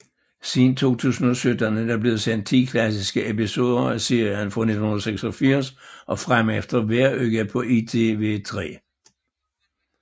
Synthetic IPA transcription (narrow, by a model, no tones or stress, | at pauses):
sint͡sʰo̝̰ːt͡sʰṵːsn̩ɒsød̥ændæb̥le̝ːðˠsen̰d̥̚t͡sʰḭːkʰlæsisɡ̥əʔepiso̝̰ːðˠɐæse̝ɐjənfɑne̝d̥ʰnhunɐseɡ̥sɒfiɐ̰sʔɒ̽fʁamefd̥ɐʋæɐøɡ̥æpʰɒ̽ʔit͡sʰeʋe̝̰ːt͡sʰʁɛ̰ː